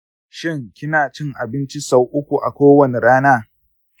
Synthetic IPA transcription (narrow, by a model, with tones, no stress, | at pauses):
ʃɪ˦˨ŋkʲɪ˦naː˨t͡ʃɪ˦ŋʔa˨bɪ˦nt͡ʃi˦sa˦wʔʊ˦kʷu˨ʔa̰˨kʷoː˦wɐ˦˨ne˨ɽaː˦naː˦